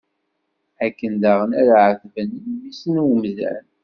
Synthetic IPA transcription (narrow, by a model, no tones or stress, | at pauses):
ækːənd̪aʁənæðʕəθvəninmisənwəmzæ̰n